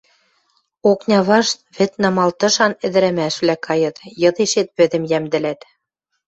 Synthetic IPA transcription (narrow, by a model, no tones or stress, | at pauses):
oknʲɑβɑʃt̪̚βɘ̆t̪̚nɑmɑlt̪ɤ̆ʃɑnɘ̆d̪ɘ̆ɾæmæʃβlækɑjɤ̆t̪jɤ̆ðeʃet̪̚pø̆ðɘ̆mjæmd̪ɘ̆læt̪